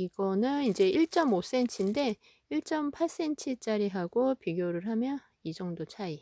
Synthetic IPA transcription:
iɡʌnɯnind͡ʑe̞iɭt͡ɕ͈ʌmos͈e̞nt͡ɕʰinde̞ | iɭt͡ɕ͈ʌmpʰas͈e̞nt͡ɕʰit͡ɕ͈aɾiɦaɡopiɡjoɾɯɭɦamjʌ | id͡ʑʌŋdot͡ɕʰai

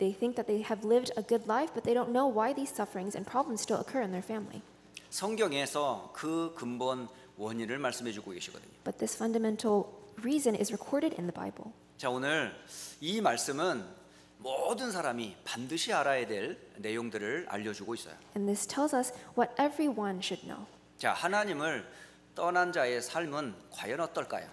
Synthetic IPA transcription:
ðeɪθɪ̃ŋk̚ðɨt̪̚ðeɪɨvlɪvdəɡʊdˡlaɪfb̥ʌt̪̚ðeɪɾõʊ̃nːoʊwaɪðiz̥sʌfə˞ɪ̃ŋzɨ̰̃npʰɹ̥ɑblə̃mz̥stɪlˠə̰kʰɜ˞ɨ̃nðə˞fæ̃mlḭ | sʰʌŋɡjʌŋesʰʌkɯkɯmbʌn | wʌɲiɾɯɭmaɭs͈ɯmɦe̞d͡ʑuɡoɡeɕʰiɡʌ̰d̪ɨ̰ɲob̥ʌt̪̚ðɪsfʌ̃ndɨmɛ̃ntʰˡl̩ˠɹizɨ̃nɪ̰zɹɨkʰɔɹɾɨɾɪ̰̃nðəba̰ɪbl̩ˠ | t͡ɕaonɯɾimaɭs͈ɯmɯn | mʌdɯnsʰaɾamipandɯɕʰiaɾajedwe̞ɭne̞joŋdɯɾɯɭa̰ʎːʌd͡ʑuɡois͈ʌ̰jõ̰nðɪstʰɛlˠzʌswʌɾʔɛvɹiwʌ̃nʃɨdⁿno̰ʊ | t͡ɕa̰hanaɲimɯɭ | t͈ʌnand͡ʑae̞sʰaɭmɯnkwajʌnʌt̚t͈ʌɭk͈a̰jo̰

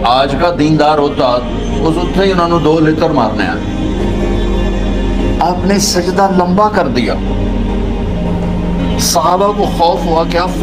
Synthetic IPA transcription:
aːd͡ʒkaːd̪iːnd̪aːɾɦoːt̪aː | ʊsʊt̪ʰːeːiːʊn̤ãːnũːd̪oːlɪt̪əɾma̰ːɾnḛːa̰ː | aːpneːsɪkd̪aːləmbaːkəɾd̪ija̰ː | səɦaːbaːkoːxɔːfɦʊaːkɪãː

